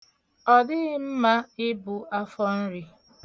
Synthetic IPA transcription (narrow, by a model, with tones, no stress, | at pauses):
ɔ˨dɪ˦m̩˦ma˦ɪ˦bʊ˨a˦fɔ˦n̩˦ɾi˨